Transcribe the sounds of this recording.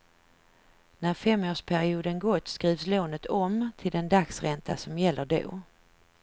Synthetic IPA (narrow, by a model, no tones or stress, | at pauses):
næɾfɛmːoːʂpʰæɾɪuːd̪ənɡɔt̪ːskɾiːvsloːnət̪ʰɔmt̪ʰɪld̪ɛnd̪aksɾɛnt̪ʰa̰sɔmjɛlːəɖo̰ː